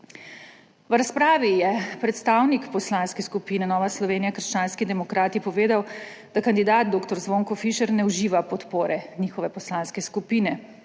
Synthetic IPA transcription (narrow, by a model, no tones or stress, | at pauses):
ʋɾaspɾaːʋijɛpɾɛt̪st̪aːwnikpɔslanskɛskupiːnɛnɔːʋaslɔʋeːnijakəɾ̩ʃt͡ʃaːnskid̪ɛmɔkɾaːt̪ipɔʋeːd̪aw | d̪akand̪id̪aːt̪̚d̪oːkt̪ɔɾzʋoŋkɔfiʃɛɾnɛuʒiːʋapɔt̪poːɾɛniːxɔʋɛpɔslanskɛskupiːnɛ